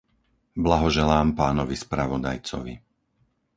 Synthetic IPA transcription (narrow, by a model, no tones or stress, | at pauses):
blaɦɔʒɛlaːmpaːnɔʋispɾaʋɔd̪a̰jt͡sɔ̰ʋḭ